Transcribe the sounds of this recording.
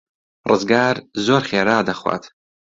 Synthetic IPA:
rɨzɡaːɾzoːɾχeːɾaːd̪ɐxwa̰ːt̪ʰ

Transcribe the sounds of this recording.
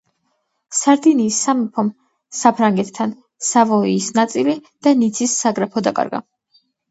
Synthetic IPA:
saɾd̪iniːsːamipʰɔm | sapʰɾaŋɡɛt̪ʰːan | savɔiːsnat̪sʼilid̪̥anit̪sʰisːaɡɾapʰɔd̪akʼa̰ɾɡa̰

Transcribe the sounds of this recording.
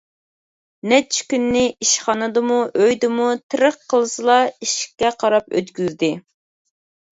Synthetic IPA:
nɛt͡ʃʰkʲynːɪiʃχɑnɨd̪ɨmuʔøjd̪ɪmut̪ʰɨɾəqʰːəlˠɨsɨlˠɑiʃkʲːɛqʰɑɾɑpø̰t̪kʲyzd̪ɪ

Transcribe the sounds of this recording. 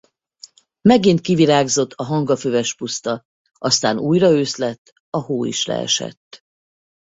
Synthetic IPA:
mɛɡint̪̚kiviɾaːɡzo̞t̪ʰːɒɦɒŋɡɒføvɛʃpust̪ɒ | ʔɒst̪aːnuːjrɒøːslɛt̪ː | ɒhoːḭʃlɛ̰ɛ̰ʃɛ̰t̪ː

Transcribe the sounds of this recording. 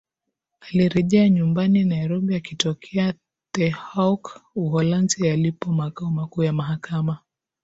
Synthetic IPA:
aliɾɛʄɛaɲumbaninajɾɔɓiakitɔkʰɛa | tɛhakuhɔlansialipɔmakaɔmakuːjamaɦakama

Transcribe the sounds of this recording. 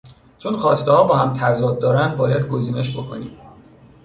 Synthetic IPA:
t͡ʃʰonχɒːst̪ehɒːbɒːhæmt̪ʰæzɒːd̪̚ːɒːɾænd̪̚bɒːjæd̪ɡo̞ziːneʃbo̞kʰo̰nḭːm

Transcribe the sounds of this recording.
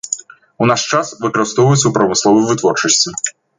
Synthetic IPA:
unaʂt͡ʂasvɨkɾɐwst̪ɔvɐjut̪sɐwpɾɐmɨslˠɔvɨjvɨt̪vɔrt͡ʂɐsʲt͡sʲi

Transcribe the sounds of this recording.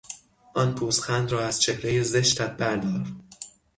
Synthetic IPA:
ʔɒːnpʰuːsxænd̪ɾɒːæz̥t͡ʃʰehɾejeze̞ʃt̪æt̪̚bæɾd̪ɒːɾ

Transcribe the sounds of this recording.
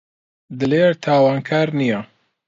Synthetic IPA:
d̪ɨleːɾt̪ʰaːwaːnkʰaːɾnija

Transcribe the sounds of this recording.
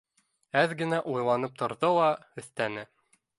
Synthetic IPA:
æðɡɘ̆næʔujlˠɑnɤp̚t̪ʰŏɾðɤlˠɑɵ̆θt̪ænɘ

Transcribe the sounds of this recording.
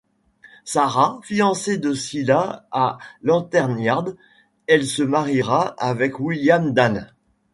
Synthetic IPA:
saʁafiɑ̃sed̪əsilaalɑ̃t̪ɛʁnjaʁd̪ | ɛlsəmaʁiʁaavɛkwiljamd̪an

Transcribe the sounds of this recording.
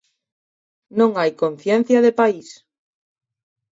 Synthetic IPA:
nõŋajkõn̟θjen̟θjaðepais

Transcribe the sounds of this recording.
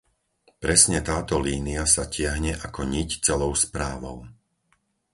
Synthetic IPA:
pɾɛsɲɛt̪aːt̪ɔliːniasacɪaɦɲɛʔakɔɲict͡sɛlɔʊspɾaːʋɔʊ

